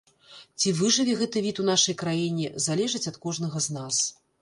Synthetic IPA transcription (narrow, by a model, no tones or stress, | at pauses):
t͡sʲivɨʐɨvʲiɣɛt̪ɨvʲit̪un̪aʂɐjkɾajinʲɛzalʲɛʐɨt͡sʲɐt̪kɔʐnɐɣɐznas